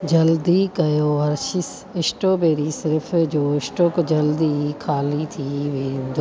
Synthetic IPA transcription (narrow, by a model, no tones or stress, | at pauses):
d͡ʒɐld̪ikɐjoːɐɾʃɪs | ɪsʈoːbeːɾisɪɾpʰd͡ʒoːɪsʈoːkd͡ʒɐld̪ikʰaːlit̪ʰiːʋeːnd̪o